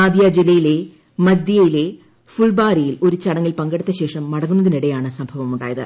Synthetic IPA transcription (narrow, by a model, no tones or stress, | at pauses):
aːd̪jad͡ʑilːɐjile̞ | mɐd͡ʑd̪ijɐjile̞ | fuɭbaːɾijilo̞ɾut͡ɕɐɽɐŋːilpɐŋɡɐɽit̪ːɐɕe̞ːʂɐmːɐɽɐŋːunːɐðiniɽejaːɳɨsɐmbʱɐʋɐmuɳɖa̰ːjɐðɨ̰